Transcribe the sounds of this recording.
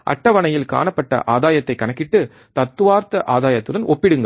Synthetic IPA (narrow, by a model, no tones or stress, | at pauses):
ʔɐ̰ʈːɐʋɐɳɐjɪlka̰ːɳɐpːɐʈːɐ̰ʔaːðaːjɐt̪ːɐɪkːɐɳɐkːɪʈːɯ | t̪ɐt̪ːɯʋaːɾt̪ɐʔaːðaːjɐt̪ːɯɽɐnʔɔpːɪɽɯŋɡɐ